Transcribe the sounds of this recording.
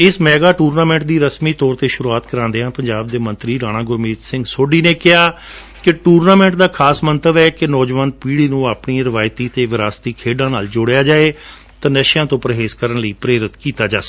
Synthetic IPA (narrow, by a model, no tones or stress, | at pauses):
ɪsmɛːɡaːʈuːɾnaːmɛ̃ːɳʈ̚d̪iːɾəsmiːt̪ɔːɾt̪eːʃʊɾuaːt̪kəɾãːnd̪eãːpəɲd͡ʒaːb̚d̪eːmə̃nt̪ɾiːɾaːñãːɡʊɾmiːt̪sɪ̃ŋɡsoːɖiːneːkɪɦaː | kɪʈuːɾnaːmɛ̃ːɳʈd̪aːkʰaːsmənt̪əbɛːkɪnɔːd͡ʒʋaːn̚piːɽiːnũːaːpɳiːɾɪʋaːjt̪iːt̪eːʋɪɾaːst̪iːkʰeːɖãːnaːld͡ʒoːɽejaːd͡ʒaːeː | t̪anəʃjãːt̪õːpəɾəɦeːskəɾəɳləiːpɾeːɾɪt̪kiːt̪aːd͡ʒaːsɡ